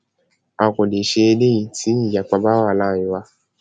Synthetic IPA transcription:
a˨ko˨de˨ʃe˧e˧le˦i˨tʰi˦i˦˨ja˨k͡pa˧ba˦wa˦˨lãː˦˨ĩ˨˦wa˧

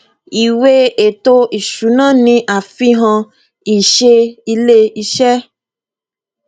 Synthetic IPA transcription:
i˨we˦e˨t̪o˦i˨ʃu˨˦nã˦nĩ˦ʔa˨fi˦ɦɔ̃˧ | i˨ʃe˦i˧le˦i˧ʃɛ˦

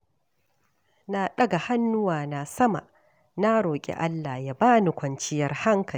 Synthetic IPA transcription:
na˨ɗɐ˦ɡa˨ha˦nːʊ˦waː˨na˨sɐ˦ma̰˨ | na˦ɽoː˨kʲʼḛ˨ʔa˦lːa˨ja˦baː˦ni˨kʷɐ˨nt͡ʃɪ˦jɐ˨rha˦ŋkʰɐ˨l

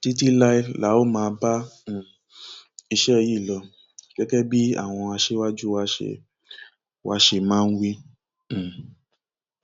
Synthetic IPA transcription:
ti˦t̬i˦la˦i˧la˨˦o˦mãː˧bã˦˨ | i˧ʃɛ˦˧ji˦˨lɔ˧ | kɛ˦kɛ˦bi˦a̰˦˨w̃ɔ̃˧a˧ʃe˦wa˦d͡ʒu˦wa˦ʃḛ˧˨ | wa˧ʃe˧mãː˦˧n̩˦wĩ˦˨

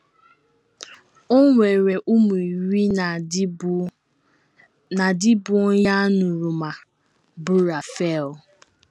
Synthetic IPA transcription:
o˦ŋʷe˨ɾe˨ʔu˦mu˨i˨ɾi˦˨ | na˨dɪ˦bʊ˦ja˦nʊ˨ɾu˨ma˨ | bu˦ɾa˨fe˦˨l

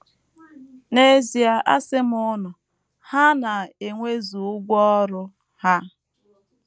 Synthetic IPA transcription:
ne˦zi˨a˨ʔa˦sɪ˦mʊ˦nʊ˨ | ha˦na˨e˨ŋʷe˦zu˨ʊ˦ɡʷɔ˦ɾʊ˦ | ha˦

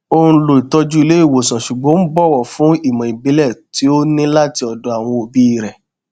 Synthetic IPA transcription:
o˧ñ̩˦lo˨i˨tɔ˧d͡ʒu˦i˧le˨˦i˦˨wo˨sã˨ʃu˨ɡ͡bɔ̃˨˦n̩˦bɔ˦˨wɔ˨fũ˦i˦˨mã˨i˨bi˨˦lɛ˦˨ti˨˦o˦nĩ˦la˦ti˧ɔ˨dɔ˨˧a˨w̃ɔ̃˧o˨bi˦i˦˨ɾɛ˨

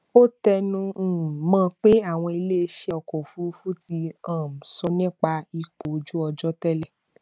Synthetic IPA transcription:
o˦tɛ˧nũ˧˨mãː˦˧k͡pe˦a˦˨w̃ɔ̃˧i˧le˦e˧ʃe˧ɔ˨kɔ˨fu˦u˦fu˦ti˧ã˦˨m̩˨sɔ˧nĩ˦k͡pa˧i˧k͡po˨˦d͡ʒu˦ɔ˧d͡ʒɔ˦tɛ˦lɛ˦˨

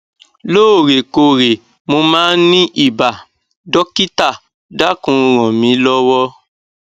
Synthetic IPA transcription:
loː˦o˦˨ɾe˨ko˨ɾe˨ | mo˧mãː˦nĩ˦ʔi˦˨ba˨ | dɔ˦ki˦ta˦˨ | da˦kũ˧˦˧ɾ̃ɔ̃˨mĩ˨˦lɔ˦wɔ˦

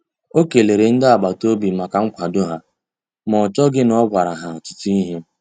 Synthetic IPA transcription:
o˦ke˨le˨ɾe˨n̩˦dɪ˦a˨ɡ͡ba˨to˦bi˨ma˨ka˨ŋ̩˦kʷa˨do˦ɦa˨ | mɔ˨t͡ʃɔ˦ɡɪ˦nɔ˦ɡʷa˨ɾa˨ɦa˨t͡ʃɪ̥˨ti˦i˦ɦe˦

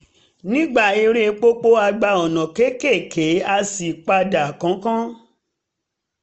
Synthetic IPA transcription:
nĩ˦ɡ͡ba˦˨e˧ɾe˦˧˦k͡po˦k͡po˦a˧ɡ͡ba˧ɔ˨nã˨ke˨˦ke˦˨kʰe˨˦a˧si˨k͡pa˧da˨kã˨˦kã˦

